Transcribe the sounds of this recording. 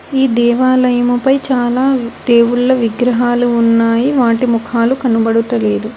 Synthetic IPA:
iːd̪ɛːʋaːlɐjɐmɐpɐjt͡ʃaːlaːd̪̥eːwuɭːɐʋiɡɾɐɦaːluːnːaːjiʋaːʈimukʰaːlukɐnubɐɽut̪ɐleːd̪u

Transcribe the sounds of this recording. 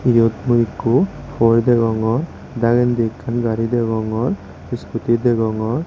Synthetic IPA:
ijot̪muikːu | fɔɾid̪eɡɔŋɔɾ | d̪aɡend̪ikːanɡaɾid̪eɡɔŋɔɾ | iskut̪id̪ɛɡɔŋɔɾ

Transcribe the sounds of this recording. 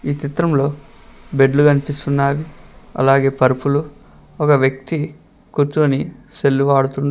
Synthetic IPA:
iːt͡ʃ̪it̪ɾɐmlo̞ː | beɖluɡɐnipist̪unːaːʋiɐ̰laːɡe̞ːpɐɾpulu | ɔkɐʋjɐk̚t̪i | kuɾt͡ʃuːnise̞lːuʋaːɽut̪und̪i

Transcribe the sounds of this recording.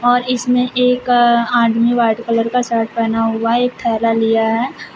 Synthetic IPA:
ɔːɾɪsmẽʔeːkãːɖʱmĩʋaːɾɖkələɾkasaːɾʈ̚pɛːnaɦʊaɦeːk̚t̪ʰɛːlalijaɦɛː

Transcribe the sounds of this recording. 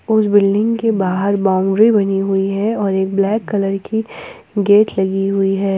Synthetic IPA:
ʊsbɪlɖɪ̃ŋɡkebaːɦəɾbaːʊ̃ɳɖɾibɐniɦʊiɦɛɔːɾeːk̚blɛːkːɐləɾki | ɡeːʈlɐɡiɦʊiɦɛː

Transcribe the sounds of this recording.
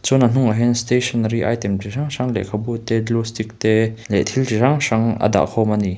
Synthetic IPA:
t͡sunan̥ʊŋaɦɛnst̪esʰɔnɾiʔajt̪ɛmtiʂaŋʂaŋlɛ̰kʰabut̪ɛdlust̪ik̚t̪ɛlɛt̪ʰiltiraŋʂaŋɐ̰d̪a̰ʔkʰɔwmani

